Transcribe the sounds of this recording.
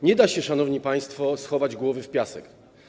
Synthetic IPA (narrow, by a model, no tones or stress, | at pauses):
ɲɛd̪aɕɛʂanɔvɲipaj̃st̪fɔsxɔvad͡ʑɡwɔvɘfpʲjasɛ̰k